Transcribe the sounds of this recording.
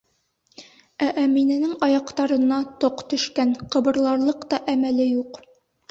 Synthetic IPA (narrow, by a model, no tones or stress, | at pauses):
æʔæminɘ̆nɘŋɑjɑqt̪ɑɾɤ̆nɑt̪oqt̪ɵ̆ʃkænqɤ̆bɤ̆ɾlˠɑɾlˠɤqt̪ɑʔæmælɘjuq